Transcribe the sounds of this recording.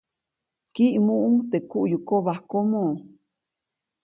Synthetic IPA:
kiʔmũʔut̪ekuʔjukoβahkomõː

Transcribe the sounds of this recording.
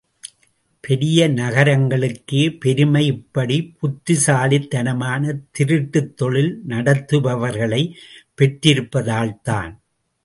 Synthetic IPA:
pʰɛɾɪjɐnɐɣɐɾɐŋɡɐɭɯkːɯpɛɾɯmɐɪɪpːɐɽipʊt̪ːɪsaːlɪt̪ːɐnɐmaːnɐt̪ɪɾɪʈːɯt̪ːɔɭɪlnɐɽɐt̪ːɯbɐʋɐɾɣɐɭɐɪpːɛʈɾɪɾɯpːɐðaːɭt̪a̰ːn

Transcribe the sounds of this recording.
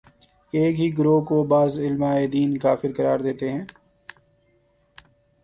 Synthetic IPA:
eːkɦiːɡɾoːkobaːzɪlmaːeːd̪iːnkaːfɪɾkəɾaːɾd̪eːt̪eɦɛ̃ː

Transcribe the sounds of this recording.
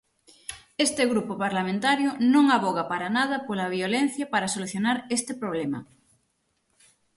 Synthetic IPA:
est̪eɣɾupopaɾlamẽnt̪aɾjonõŋaβoɣapaɾanað̞ɐpolaβ̞jolen̟θjapaɾasoluθjonaɾest̪epɾoβ̞lema̰

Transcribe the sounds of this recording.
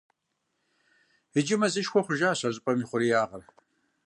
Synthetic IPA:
ɨd͡ʒɪmɐzɨʃxʷɔχʷʊʒaːɕɐʑʼɪpʼɐmiːχʷʊɾijaːʁɐr

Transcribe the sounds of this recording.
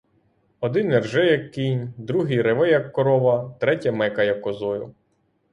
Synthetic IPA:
ɔd̪ɪnɛrʒɛjɐkːinʲd̪ɾuɦijɾeʋɛjɐkːɔɾɔʋɐt̪ɾɛtʲɐmɛkɐjɐkːɔzɔjʊ

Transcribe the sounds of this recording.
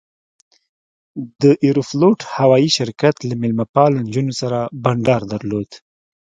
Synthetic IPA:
d̪əʔiɾufloʈhawɑjiʃɪɾkat̪lamɪlmapɑlnd͡ʒunosaɾabaɳɖɑɾd̪aɾlod̪

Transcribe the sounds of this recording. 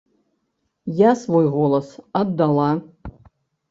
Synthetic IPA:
jasvojʁolˠɐsɐd̪ːalˠa

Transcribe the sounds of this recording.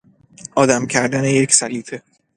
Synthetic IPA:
ʔɒːd̪æmcʰæɾd̪æneje̞cʰsæliːfʰe

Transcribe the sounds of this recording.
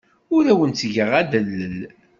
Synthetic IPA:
ʊɾæwənt̪ʝəʁæd̪əlːəl

